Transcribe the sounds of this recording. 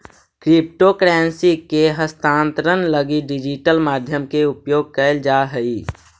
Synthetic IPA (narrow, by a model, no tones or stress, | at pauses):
kɾɪp̚ʈokɾɛːnsieɦəst̪ãːnt̪ɾənləɡiɖɪd͡ʒiʈəlmaːd̪ʱjəmkeʊpjoːɡ̚kəɪld͡ʒaːɦəiː